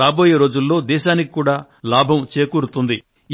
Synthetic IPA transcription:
aːbo̞ːjeːɾo̞ːd͡ʒulːo̞ːd̪ɛːʃaːniki̥kuːɽaː | laːbʱɐmt͡ʃeːkuːɾut̪und̪i

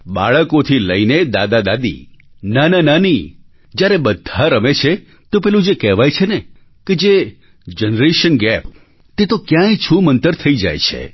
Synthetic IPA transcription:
ɓa̰ɭəkot̪ʰiləined̪ad̪ad̪ad̪ḭ | nananani | d͡ʒjaɾebəd̪ʱaɾəmet͡ʃʰe | t̪opɛɦlũd͡ʒekɛɦʋajt͡ʃʰene | ked͡ʒe | d͡ʒənɾeʃənɡɛp | t̪et̪okjãjt͡ʃʰũmənt̪əɾt̪ʰəid͡ʒa̰jt͡ʃʰḛ

